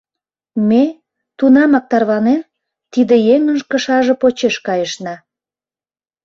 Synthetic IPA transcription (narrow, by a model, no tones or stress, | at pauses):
me | t̪unɑmɑk̚t̪ɑrβɑnem | t̪id̪ĕjemənʒkə̆ʃɑʒĕpot͡ɕeʃkɑjəʃnɑ